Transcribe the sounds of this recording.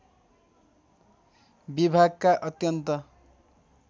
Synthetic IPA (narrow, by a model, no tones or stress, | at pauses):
bibʱaɡkaʔʌt̪jʌnt̪ʌ